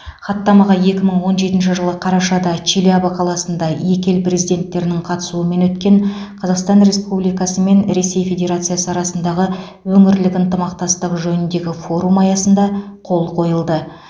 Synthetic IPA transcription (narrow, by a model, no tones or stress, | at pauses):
χɑt̪ːɑmɑʁɑje̞kʲɪməɴwo̞nʒe̞t̪ɪnʃ̬ɪʒəlˠəqʰɑɾɑʃɑd̪ɑt͡ʃʰilabəqʰɑlˠɑsənd̪ɑje̞kʲe̞lpre̞zijd̪e̞nt̪ːe̞ɾɪnɪɴqʰɑt̪ə̥suəme̞nwɵt̪kʲe̞ɴqʰɑzɑqst̪ɑnre̞spublijkɑsəme̞nɾe̞se̞jfe̞d̪ʲe̞ɾat̪sɨjasəɑɾɑsənd̪ɑʁə | wɵŋɪɾlɪkənt̪əmɑq̚t̪ɑst̪əqʒɵnɪnd̪e̞ɡʲɪfo̞ɾumɑjɑsənd̪ɑ | qʰo̞lˠqʰo̞jəlˠd̪ə